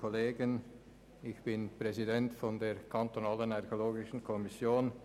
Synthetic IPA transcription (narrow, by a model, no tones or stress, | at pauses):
kʰoleːɡən | ɪçb̥ɪnpʁ̥ɛzidɛntfɔndeːkʰantonaːlənɛkoloːɡɪʃn̩kʰɔmɪsjoːn